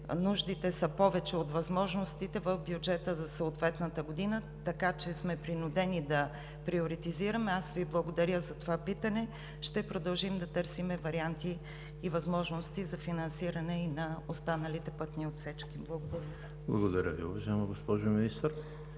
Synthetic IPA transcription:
nuʒd̪it̪ɛsɐpɔvɛt͡ʃɛot̪vɐzmɔʒnost̪it̪ɛvəfbjud͡ʒɛt̪əzɐsəot̪vɛt̪nɐt̪əɡod̪inə | t̪ɐkat͡ʃɛsmɛpɾinʊd̪ɛnid̪ɐ | pɾioɾit̪iziɾɐmɛasviblˠɐɡod̪ɐɾʲəzɐt̪ovapit̪ɐnɛ | ʃt̪ɛpɾod̪ɐlˠʒimd̪ɐt̪ɤɾsimɛvɐɾiant̪iː | vɐzmɔʒnost̪izɐfinɐnsiɾɐnɛinɐost̪anɐlit̪ɛpɤt̪niot̪sɛt͡ʃkimblˠɐɡod̪ɐɾʲə | blˠɐ̰ɡod̪ɐɾʲəvḭʊ̰vɐʒajɛmɐɡospɔʒominist̪əɾ

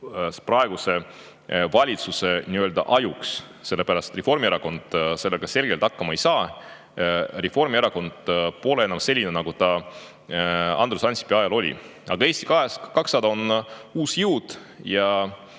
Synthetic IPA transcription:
sprɑeɡ̥use̞ | vɑlʲit̪suse̞niøld̪ɑ̰ʔɑjuks | se̞lːe̞pæɾɑst̪t̪refo̞rmieɾɑko̞nd̪̥se̞lːeɡ̥ɑse̞lɡ̥e̞lt̪ɑkːɑmɑe̞jsɑː | refo̞rmieɾɑko̞nd̪̥po̞leenːˑɑmse̞lʲːinenɑɡut̪ɑ | ɑ̰nd̪ɾusɑnʲsi̥peɑjɑlo̞lʲḭɑɡ̥ɑe̞ːst̪i̥kɑeskɑksɑd̪ɑonuːsjɨwd̪̥ | jɑ

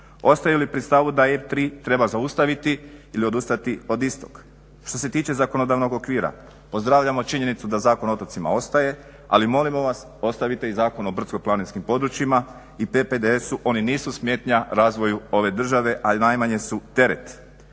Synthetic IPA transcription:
o̞st̪ajulipɾist̪aʋud̪aeft̪ɾiːt̪ɾe̞bazaust̪aʋit̪iilio̞d̪ust̪at̪io̞d̪ist̪o̞̥k | ʃt̪o̞set̪iːt͡ʃe̞zakono̞d̪aʋno̞ɡo̞kʋiːɾa̰ | po̞zd̪ɾaːʋʎamo̞t͡ʃiɲe̞nit̪sud̪azaːkono̞t̪ot̪sima̰o̞st̪aje̞ | a̰limo̞limo̞ʋas | o̞st̪aʋit̪e̞izaːko̞no̞br̩t̪ko̞planinskimpo̞d̪ɾut͡ʃima | ipeped̪eesuʔo̞niniːsusmje̞ːt̪ɲaɾaːzʋo̞juo̞ʋe̞d̪r̩ʒaʋe̞ʔainajmaɲe̞sut̪e̞ɾe̞̰t̪

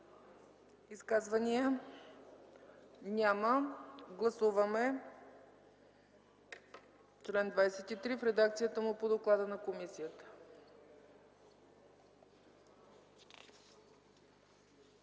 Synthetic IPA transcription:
iskazvəniə | nʲaməɡlˠɐsuvəmɛ | t͡ʃlɛnd̪vajsɛt̪it̪ɾifɾɛd̪akt̪sijət̪əmʊpod̪oklˠad̪ənɐkomisijət̪ə̥

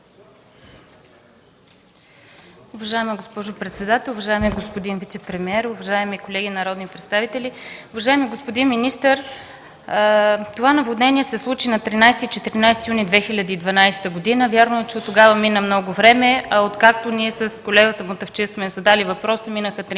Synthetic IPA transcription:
ʊvɐʒaɛməɡospɔʒopɾɛt̪sɛd̪at̪ɛlˠuvɐʒaɛmiɡospod̪invit̪sɛpɾɛmiɛɾʊvɐʒaɛmikolɛɡʲinɐɾɔd̪nipɾɛt̪st̪avit̪ɛliʊvɐʒaɛmiɡospod̪inminist̪əɾ | t̪ovanɐvod̪nɛnʲiɛsɛslˠut͡ʃinɐt̪ɾinajst̪it͡ʃɛt̪iɾinajst̪ijunid̪vɛxilʲəd̪iːd̪vɐnajst̪əɡod̪inəvʲjaɾnoɛt͡ʃɛot̪ːoɡavəminəmnɔɡʊvɾɛmɛɐot̪kak̚t̪oniɛsəskolɛɡət̪əmot̪əft͡ʃismɛzɐd̪alivɐpɾɔsəminəxət̪ɾ

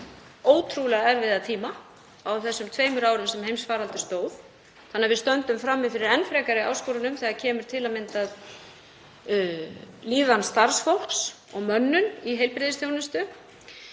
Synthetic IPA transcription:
oːwt̪ʰɾulɛɣaɛɾvɪðat̪ʰiːma | awθɛsːʏmt̪ʰveːjmʏɾaːwɾʏmsɛmhejmsfaːɾalt̪ʏ̥st̪oːwð | θanːɪvɪðst̪œnt̪ʏmfɾamːɪfɪɾɪɾɛnfɾɛːkaɾɪa̰ːwskoːɾanʏmθɛːɣacʰɛːmʏɾ̥t̪ʰɪlamɪnt̪að | liːðanst̪aɾ̥sfɔwl̥ks | ɔɣmœnːʏniɦejlpɾɪðɪsθjownɪst̪ʏ

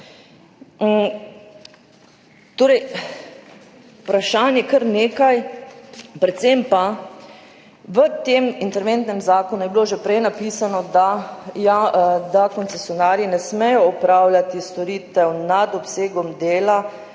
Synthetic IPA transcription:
t̪oːɾɛj | pɾaʃaːnjɛkɐɾneːkaj | pɾɛt̪sempa | ʋət̪eːmint̪ɛɾʋɛnt̪nɛmzaːkɔnujɛbiloʒɛpɾɛjnapiːsanɔd̪ajad̪akɔnt̪sɛsjɔnaːɾjinɛsmɛjɔɔpɾaːwlʲjat̪ist̪ɔɾiːt̪ɛwnad̪ɔpseːɡɔmd̪eːla

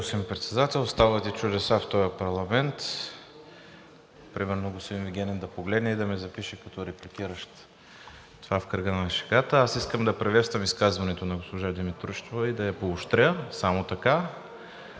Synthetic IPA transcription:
osimpɾɛt̪sɛd̪at̪ɛlˠst̪avət̪it͡ʃʊd̪ɛsaft̪ɔjɐpɐɾlˠɐmɛnt̪ | pɾimɛɾnoɡosp̪inviɡʲɛnɛnd̪ɐpoɡlɛd̪nɛid̪ɐmɛzɐpiʃɛkɐt̪ɔɾɛplik̟iɾəʃt̪ | t̪ovafkəɾɡənɐʃɛ̥kat̪əasiskəmd̪ɐpɾɛvɛt̪st̪vəmiskazvɐnɛt̪onɐɡospoʒad̪imit̪ɾuʃt̪ovɐid̪ɐjɐpoʊʃt̪ɾʲəsamot̪ɐka

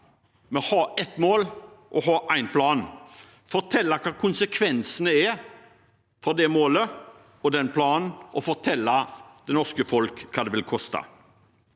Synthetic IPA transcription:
mɛhɑːɛt̪moːlʔɔɦɑːʔæɪnpʰlɑːn | fɔɾt̪ʰɛlːɑkʰɑːkʰʊnsəkʰʋɛnsənəɛ | fɔd̪ɛmoːlə | ɔd̪ɛnpʰlɑːnn̩ʔɔfɔɾt̪ʰɛlːɑd̪̥ɛnɔʁskəfɔlkʰːɑːd̪ɛʋɪlkʰɔst̪ɑ̰

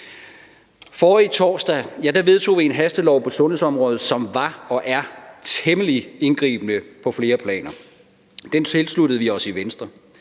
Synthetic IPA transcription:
fɒːit͡sʰɒ̰ːsd̥æjæd̥æʋe̝ð̞ˠt͡sʰo̝̰ːʋie̝nɦæsd̥əlɒʊpʰɒ̽sɔ̽nhe̝sɒ̽mʁɔ̽ːð̩ˠsɒ̽mʋɑ̈ɒ̽ʔæɐt͡sʰeməlie̝nɡ̥ʁḭːb̥ənəpʰɒ̽fle̝ːɐpʰlɛ̰ːnɐ | d̥ent͡sʰe̝lslud̥əð̩ˠʋiɒ̽siʋensd̥ʁɐ

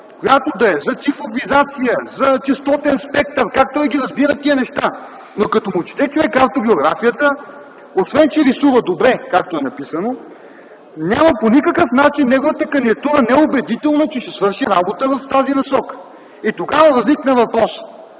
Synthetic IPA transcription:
kojat̪od̪ɐɛzɐt̪sifɾovizat̪sijəzɐt͡ʃɛst̪ɔt̪ɛnspɛk̚t̪əɾkak̚t̪ɔjɡiɾɐzbiɾət̪iənɛʃt̪a | nokɐt̪omut͡ʃi̥t̪ɛt͡ʃovɛkaft̪obioɡɾa̰fijət̪ə | osvɛnt͡ʃɛɾisuvəd̪obɾɛkak̚t̪oɛnɐpisəno | nʲjaməponikəkəfnat͡ʃinːɛɡovət̪əkɐniɐt̪uɾənɛɛobɛd̪it̪ɛlˠnət͡ʃɛʃɛsvɤɾʃiɾabot̪əvɐft̪azinɐsɔkə̥ | it̪oɡavəvɐzliknɐvɐpɾɔs

